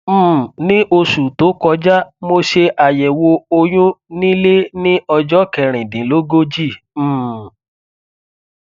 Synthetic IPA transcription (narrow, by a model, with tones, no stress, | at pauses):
m̩˦˨nĩ˦ʔo˧su˨to˨˦kɔ˧d͡ʒa˦mo˧ʃe˧ʔa˨jɛ˨wo˧o˧j̃ũ˦nĩ˦le˦nĩ˦ɔ˧d͡ʒɔ˦kɛ˨ɾ̃ĩ˨dĩ˨˦lo˦ɡo˦d͡ʒi˦˨˦